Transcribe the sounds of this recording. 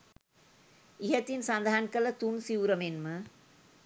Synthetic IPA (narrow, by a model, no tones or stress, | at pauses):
ɪɦɐt̪ːinsɐnd̪ʱaaːnkɐlɐt̪unsiʋɾɐmenmɯ